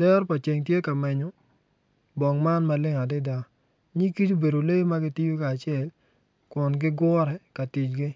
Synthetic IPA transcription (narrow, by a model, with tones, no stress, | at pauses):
d̥ɛ˦ɾpa˨t͡ʃe˨ŋt̬je˦ka˨mɛ˨ɲɔ˨ | bɔ˨ŋma˦nma˨lɪ˦ŋa˨dɪ˦da˦ | ɲi˦ki˦to˦be˨do˨le˦ma˦ɡɪ˦ti˦jo˦kaː˨t͡ʃɪ˦ɛ˦˨l | kɔ˨nɡɪ˦ɡwɔ˦ɾɛ˨ka˨ti˨t͡ʃɡɪ˦